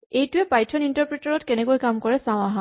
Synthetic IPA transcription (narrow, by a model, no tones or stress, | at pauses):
ejtʊɛpajtʰɔnintaɹpɹɛtaɹɔtkɛnɛkojkamkɔɹɛsãw̃aɦã